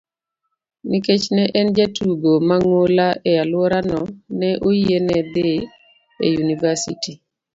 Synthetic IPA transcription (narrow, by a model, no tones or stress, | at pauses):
niket͡ʃnɛʔɛnd͡ʒatuɡomaŋolaʔɛalwɔɾanɔnɛʔoienɛd̪ɪ | ḛjunivasḭti